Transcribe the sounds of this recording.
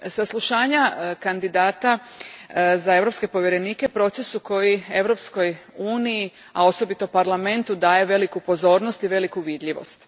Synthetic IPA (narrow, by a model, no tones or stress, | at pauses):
saslˠuʃaːɲakand̪id̪aːt̪a | zae̞ʋɾo̞pske̞po̞ʋjeɾe̞niːkepɾo̞t̪se̞suko̞jie̞ʋɾo̞psko̞juːniji | a̰o̞so̞bit̪o̞paɾlame̞nt̪ud̪aːje̞ʋe̞likupo̞zo̞ːɾnost̪iʋe̞likuʋid̪ʎiʋo̞̰st̪